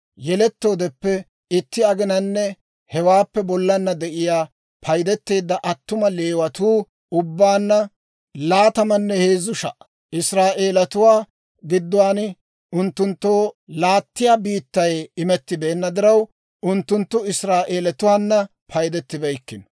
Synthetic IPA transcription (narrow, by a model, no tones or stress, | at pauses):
jɛlɛt̪ːo̞ːd̪ɛpːɛ | ɪt̪ːɪɐɡɪnɐnːɛ | hɛwaːpːɛbɔlːɐnːɐd̪ɛʔɪjaː | pʰɐjd̪ɛt̪ːe̞ːd̪ːɐʔɐt̪ːʊmɐle̞ːwɐt̪uː | ʊbːaːnːɐ | laːt̪ɐmɐnːɛheːzʊʃɐ̰ʔ | ʔɪsɾaːʔe̞ːlɐt̪ʊwaː | ɡɪd̪ːʊwaːn | ʊnt̪ːʊnt̪ːoːlaːt̪ːɪjaːbiːt̪ːɐjɪmɛt̪ːɪbe̞ːnːɐd̪ɪɾɐw | ʊnt̪ːʊnt̪ːʊɪsɾaːʔe̞ːlɐt̪ʊwaːnːɐ | pʰɐjd̪ɛt̪ːɪbɛjkːɪn